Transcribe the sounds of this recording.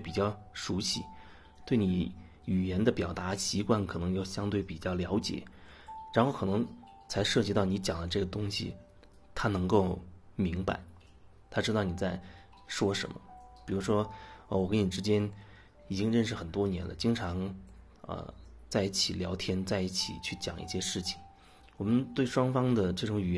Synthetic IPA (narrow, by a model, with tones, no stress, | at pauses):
t̪e˥˩pi˨˩t͡ɕjɑ˥˩ʊʂu˧˥ɕi˥ | t̪we˥˩ɪni˨˧˥ | y˨˩jɛ˧˥nd̪ə˧pjɑ˨˩ʊt̪a˧˥ɕi˧˥kwa˥˩nkʰɤ˨˩ɤ˧˥ŋjo˥˩ʊɕjɑ˥ŋt̪we˥˩ɪpi˨˩t͡ɕjɑ˥˩ʊljɑ˧˥ʊt͡ɕjɛ̰˨˩˦ | ɻa˧˥nxo˥˩ʊkʰɤ˨˩nɤ˧˥ŋ | t͡sʰa˧˥ɪʂɤ˥˩t͡ɕi˧˥t̪ɑ˥˩ni˧˥t͡ɕjɑ˨˩ŋd̪ə˦ʈ͡ʂɤ˥˩ɡə˩t̪ʊ˥ŋɕḭ˨˩ | t̪ʰa˥nɤ˧˥ŋko˥˩ʊmi˧˥ŋpa̰˧˩ɪ | t̪ʰa˥ʈ͡ʂɻ̩˥ɑ˥˩ʊni˨˩t͡sa˥˩ɪ | ʂwɔ˥ʂə̰˧˥nmə̰˧pi˨˩ɻu˧˥ʂwɔ˥ə˧˩wɔ˨˩kə˧˥ni˨˩ʈ͡ʂɻ̩˥t͡ɕjɛ˥n | i˨˩t͡ɕi˥ŋɻə˥˧nʂ̬ɻ̩˥˩xə˨˩nt̪wɔ˥njɛ˧˥nlə̰˧t͡ɕi˥ŋʈ͡ʂʰɑ˧˥ŋ | ə̰˧˩t͡sa˥˧ɪi˥˩t͡ɕʰi˨˩ljɑ̰˧˥ʊt̪ʰjɛ˥nt͡sa˥˧ɪi˥˩t͡ɕʰḭ˨˩t͡ɕʰy˥˩t͡ɕjɑ̰˨˩ŋʔḭ˥˩ɕjɛ˥ʂɻ̩˥˩t͡ɕʰi̥˨˩ŋ | wɔ˨˩mə˦nt̪we˥˩ɪʂwɑ˥ŋfɑ˥ŋd̪ə˨ʈ͡ʂɤ˥˩ʈ͡ʂʊ˧˥ŋy˨˩ɛ˧˥